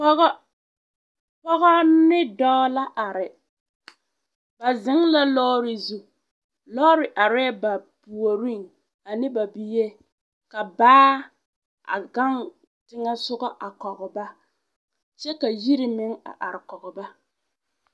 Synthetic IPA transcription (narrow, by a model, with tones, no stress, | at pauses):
ɔ˦ɣɔ˦ | pɔ˦ɣɔ˦nɪ˦dɔː˦la˦ʔa˨ɾɪ˨ | ba˨zɪ˨˦ŋla˦lɔː˦ɾɪ˨zu˨ | lɔː˦ɾɪ˨ʔa˨ɾɛ˦ba˨pu˨o˨ɾi˦˨ŋ | a˨nɪ˦ba˨bi˨je˦ | ka˨baː˦ | a̰˨ɡa˦ŋ | tɪ˦ŋa˦sʊ˦ɣɔ˦ʔa˨kɔ˨ɣɔ˨ba˦ | t͡ʃɛ˦ka˨ji˦ɾɪ˨mɪ˦ŋa̰˨ʔa˨ɾɪ˨kɔ˨ɣɔ˨ba˦